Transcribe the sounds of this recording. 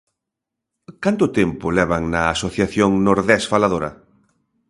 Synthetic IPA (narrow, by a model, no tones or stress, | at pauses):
kant̪ʊt̪ɛmpʊlɛβaŋnɐasoθjaθjoŋnoɾðɛsfalaðoɾɐ̰